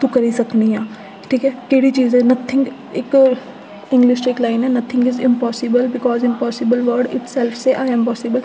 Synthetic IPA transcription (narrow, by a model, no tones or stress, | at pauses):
t̪ukɐɾisɐknijãː | ʈʰiːkɛkeːɽit͡ʃiːzɛnɐt̪ʰːɪ̃ŋɡ | ek | ɪ̃ŋɡlɪʃʈɪklãɪnɛnɐt̪ʰːɪ̃ŋɡɪzɪ̃mpɔːsɪbəlbɪkɔːzɪ̃mpɔːsɪbəlʋəɾɖɪ̰ʈsɛlfseʔaɪə̃mpɔːsɪbəl